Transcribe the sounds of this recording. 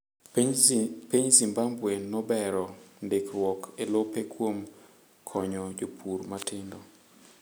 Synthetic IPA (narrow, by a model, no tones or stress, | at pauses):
piɲzimbambwenːɔbɛɾɔndɪkrwɔkelopekʰwom | kʰɔɲɔd͡ʒopʰuɾmatʰɪndɔ